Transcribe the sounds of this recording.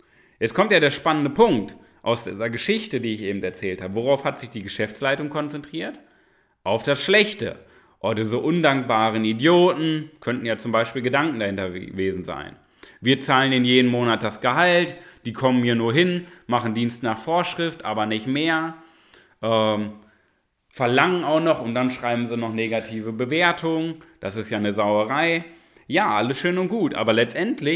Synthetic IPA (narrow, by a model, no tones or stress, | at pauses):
jɛt͡skʰɔmtjaːdeːɐʃpanəndəpʰʊŋkt | ʔa̰ʊsd̥iːzɐɡəʃɪçtədiːɪçʔeːbm̩tɛɐt͡sɛːlthaːbəvoʁ̞aʊfhatz̥ɪçd̥iːɡəʃɛft͡slaɪtʊŋkʰɔnt͡sɛntʁ̥iːɐt | ʔaʊfd̥asʃlɛçtə̰ | ʔɔdiːzəʔʊndaŋk̚b̥aːʁənidjoːtn̩kʰœntn̩jaːt͡sʊmbaɪʃpiːlɡədaŋkŋ̩dahɪntɐveːzn̩za̰ɪn | viːɐt͡saːləneːnjeːdən̩moːnat̚d̥asɡ̥əɦaltd̥iːkʰɔmənhiːɐnuːɐɦɪnmaχn̩diːnstnaːχfoːɐʃʁ̥ɪftʔaːbɐnɪçtmeːɐ | ʔɛːm | fɛɐlaŋənaʊxnɔχʊntd̥anʃʁ̥aɪbm̩ziːnɔχneːɡatʰiːvəbəveːɐtʰʊŋd̥asɪstjaːnəzaʊəʁ̞aɪ | jaːʔaləsʃøːnʊnt̚ɡ̥uːtʔa̰ːbɐlɛt͡stʔɛntlɪ